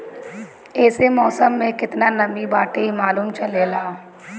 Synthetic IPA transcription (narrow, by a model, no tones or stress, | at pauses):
ɛːsemɔːsəmːẽkɪt̪nanɐmibaːʈeɦimaːluːmt͡ʃɐlelaː